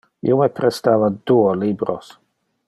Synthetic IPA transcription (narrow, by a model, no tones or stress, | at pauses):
ḭomepɾest̪avad̪uolibɾo̰s